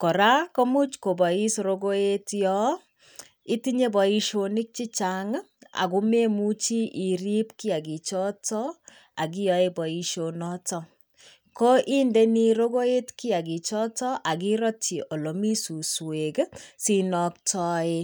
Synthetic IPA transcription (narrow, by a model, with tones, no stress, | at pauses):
kɔ˨ɾa˦ko˦mu˦t͡ʃko˨bɔ˨i˦sɾo˦ɡo˦e˦tjɔ˦ | i˦tiɲe˦bɔ˨i˧ʃo˨ni˦k̚t͡ʃi˦t͡ʃaŋ | a̰˨ku˦me˦mu˦t͡ʃi˦ʔi˨ɾi˦pki˦a˨ɡi˨t͡ʃɔ˦tɔ˦ | a˨k̬i˦jɔ˨˦e˦bɔ˨i˨ʃo˨nɔ˦tɔ˦ | ko˦ʔi˦nde˦ni˦ɾo˦ɡo˦e˦tki˦a˨ɡi˨t͡ʃɔ˦tɔ˦ʔa˨k̬i˦ɾɔ˦ti˨ʔo˨lo˨mi˦su˨swe˨ksinɔ˨k̚tʰɔ˦e˦